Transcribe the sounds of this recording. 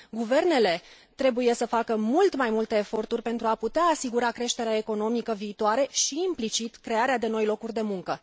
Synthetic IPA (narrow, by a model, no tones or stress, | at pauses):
ɡuve̞rne̞le̞ | t̪ɾe̞buje̞səfakəmult̪majmult̪e̞ːfo̞rt̪urʲpe̞nt̪ɾuaput̪eaːsiɡuɾakɾe̞ʃt̪e̞ɾeae̞ko̞no̞mikəviːt̪oaɾe̞ʃiːmplit͡ʃit̪kɾe̞aɾead̪e̞no̞jlo̞kurʲd̪e̞muŋkə